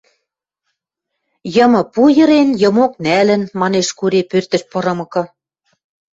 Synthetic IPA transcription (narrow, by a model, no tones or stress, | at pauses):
jɤ̆mɤ̆pujɤ̆ɾenjɤ̆mok̚nælɘ̆nmɑneʃkuɾepørt̪ə̆ʃpɤ̆ɾɤ̆mɤ̆kɤ̆